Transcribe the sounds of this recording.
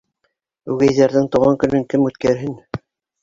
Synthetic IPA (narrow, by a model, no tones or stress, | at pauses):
ʉɡæjðæɾðɘŋt̪ŏwʁɑŋkɵ̆nɵŋkɘmʉt̪kæɾɦɘn